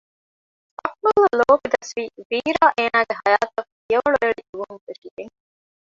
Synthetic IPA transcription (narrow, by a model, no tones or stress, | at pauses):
ɐkmɐlɐloːfid̪ɐsʋiːʋiːɾaːʔeːnaːɡeɦɐjaːt̪ɐf | ijɐʋɐɭueɭid̪uʋunfeʃiɡ̪eŋ